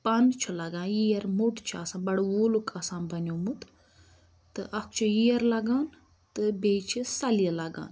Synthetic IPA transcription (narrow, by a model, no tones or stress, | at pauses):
pɐnt͡ʃʰulɐɡãːnjijɐɾmuʈt͡ʃʰuasãːnbɐɽwoːlukʰɐsaːnbɐnoːmut̪ | t̪ɨʔɐkʰt͡ʃʰujijɐɾlɐɡaːn | t̪ɨbeːt͡ʃʰisɐlijelɐɡa̰ːn